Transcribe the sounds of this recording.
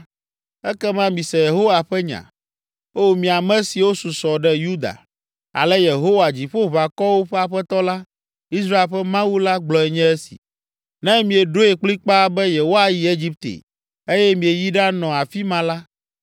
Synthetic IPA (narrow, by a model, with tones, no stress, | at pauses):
ɛ˦kɛ˦mã˦mĩ˨sɛ˨je˨ɦo˦wa˨ɸɛ˦ɲã̰˨ | o˦mĩ˨a˨mɛ̃˦si˨wo˦su˨sɔ˨ɖɛ˦ju˦d̪a̰˨ | a̰˨lɛ˦je˨ɦo˦wa˨d͡ʑi˨ɸo˦βa˨kɔ˦wo˦ɸɛ˦a˨ɸɛ˦t̪ɔ˦la˦ | i˦s̬ɾa˦e˨lɸɛ˦mã˦wu˦la˦ɡ͡blɔ˨ɛ˨ɲɛ̃˦ɛ˦sḭ̥˨ | nɛ̃˦mĩ˨e˨ɖo˦e˨k͡pli˦k͡pa˦bɛ˦je˨wo˦a˨ji˨e˦d͡ʑi˦p̚t̪ḛ˨ | e˦jɛ˦mĩ˨e˨ji˦ɖa˦nɔ̃˨a˨fi˦mã˦la˦